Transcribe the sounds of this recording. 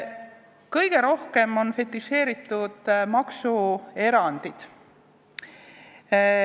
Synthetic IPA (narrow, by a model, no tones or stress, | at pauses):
kɤjɡ̥e̞ɾo̞hke̞mo̞nfe̞t̪ˑːise̞ːɾit̪ːˑud̪̥mɑksue̞ɾɑnd̪̥id̪̥